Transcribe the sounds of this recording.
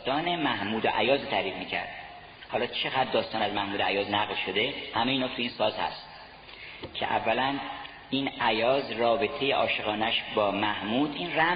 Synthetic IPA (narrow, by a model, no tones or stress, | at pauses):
t̪ɒːnemæhmuːd̪oʔæ̰jɒːzt̪ʰæɾiːd̪miːcʰæ̰ɾd̪̥ | hɒːlɒːt͡ʃʰe̞ɣæd̪̚ːɒːst̪ɒːnæzmæhmuːd̪oæjɒːznæɣlʃo̞d̪e̞hæme̞jiːnoft̪ʰeinsɒːzhæ̰st̪ | cʰḛʔæ̰vːælæn | inæjɒːzrɒːbe̞t̪ʰe̞jeʔɒːʃe̞ɣɒːnæʃbɒːmæhmuːd̪ʔinræ